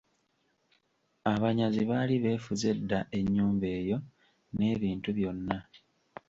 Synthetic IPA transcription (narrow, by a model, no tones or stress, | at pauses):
aβaɲaziβaːliβe̞ːfuze̞dːaʔe̞ɲːuːmbe̞ːjo̞ | ne̞ːβiːntuβjo̞nːa